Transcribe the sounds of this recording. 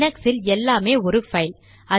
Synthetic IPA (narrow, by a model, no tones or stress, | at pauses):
nɐksɪlɛlːaːmeːɔɾɯfɐɪl | ɐ